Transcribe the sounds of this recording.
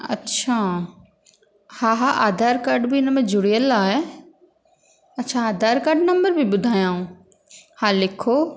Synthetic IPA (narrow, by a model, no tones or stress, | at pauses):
ɐ̰tːʃʰaː | hãːɦãʔaːd̪ʱaːɾkaːɾɖbʱiɪnmẽd͡ʒʊɽijəlaːɦɛ | ɐtːʃʰaaːd̪ʱaːɾkaːɖnɐ̃mbəɾbʱibʊd̪ʱaːjãːɦũː | hãːlɪkʰːoː